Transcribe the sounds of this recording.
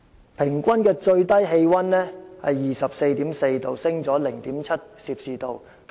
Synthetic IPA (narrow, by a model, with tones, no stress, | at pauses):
pʰɪ˨˩ŋkʷɐ˥nkɛː˧t͡ʃɵ˧ɥt̪ɐ˥jɦe˧jwɐ˥nlɛː˥hɐ˨jːiː˨˩sɐ˨p̚se˧jt̪iː˨˥mse˧jt̪o˨wsɪ˥ŋt͡sɔː˨˥lɪ˨˩ŋt̪iː˨˥mt͡sʰɐ˥t̚siː˧p̚siː˨˧t̪o˨w